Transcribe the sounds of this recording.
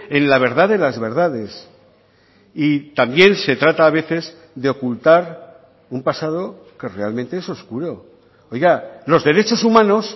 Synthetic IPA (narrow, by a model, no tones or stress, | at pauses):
e̞nlaβ̞e̞ɾð̞aðe̞lazβe̞ɾð̞aðe̞s | it̪ambje̞nse̞t̪ɾat̪aːβ̞e̞θe̞z | ðeo̞kult̪aɾ | umpasað̞o̞ | ke̞re̞almẽnt̪eeso̞skuɾo̞ | ojɣalo̞zðe̞ɾe̞t͡ʃo̞sumãno̞s